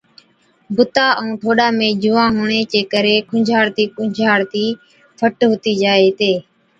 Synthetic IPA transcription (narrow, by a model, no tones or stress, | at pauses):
bʊt̪aːʔəũːʈ̪ʰoːɗãːmẽːd͡ʒuːãːɦuːɳeːt͡ʃeːkəɾeːkʰʊd͡ʒʱaːɽt̪iːkʊd͡ʒʱaːɽt̪iː | pʰəʈɦʊt̪iːd͡ʒaːeːt̪eː